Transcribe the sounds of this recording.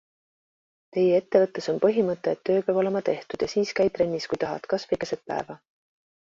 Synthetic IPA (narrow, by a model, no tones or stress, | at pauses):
t̪e̞jee̞t̪ːe̞vɤt̪ːˑe̞so̞npɤɦimɤt̪ːˑe̞ːt̪ːø̞ːpjɑb̥o̞lemɑt̪e̞ht̪ud̪̥jɑsiːskæjt̪ɾe̞nʲːiskujt̪ɑɦɑ̰t̪kɑsfikesed̪̚pæ̰evɑ